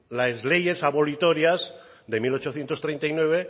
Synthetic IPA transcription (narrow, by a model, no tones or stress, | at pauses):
lazle̞je̞saβolit̪o̞ɾjaz | ðe̞milo̞t͡ʃo̞θjent̪ost̪ɾent̪aijnwe̞β̞e